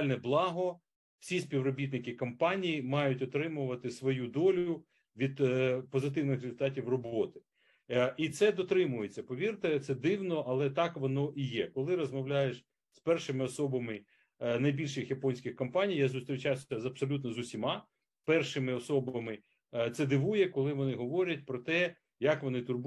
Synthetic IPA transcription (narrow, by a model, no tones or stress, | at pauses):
lʲnɛblˠɑɦɔ | w̥sʲisʲpʲiwrɔbʲit̪̬nɪkɪkɔmpɑnʲijimɑjʊtʲɔt̪ɾɪmʊʋɐt̪ɪsʋɔjud̪ɔlʲʊ | ʋʲid̪pɔzɪt̪̬ɪwnɪxɾezʊlʲt̪ɑtʲiwrɔbɔt̪ɪ̥ | it̪sɛd̪ɔt̪ɾɪmʊjet͡sʲːɐpɔʋʲirt̪ɪt̪sɛd̪ɪwnɔʔɐlˠɛt̪ɑkʋɔnɔʔijɛkɔlˠɪɾɔzmɐʋwlʲajeʃ | spɛrʃɪmɪɔsɔbɐmɪ | nɐjbʲilʲʃɪxjɐpɔnʲsʲkʲɪxkɐmpɑnʲijazʊst̪ɾʲɪt͡ʃawsʲɐzɐpsɔlʲut̪nɔzʊsʲimɑ | pɛrʃɪmɪɔsɔbɐmɪ | t̪sɛd̪ɪʋujɛkɔlˠɪʋɔnɪɦɔʋɔɾʲɐtʲpɾɔt̪ɛ | jɐkʋɔnɪt̪ʊrb